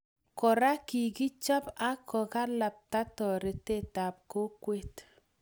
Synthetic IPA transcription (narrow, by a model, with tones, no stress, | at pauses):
kɔ˨ɾa˦ki˨ki˦t͡ʃa˦pa˦kʰɔ˨ka˦la˨p̚ta˦tɔ˨ɾe˨te˦ta˨p̚ko˦kwe˦t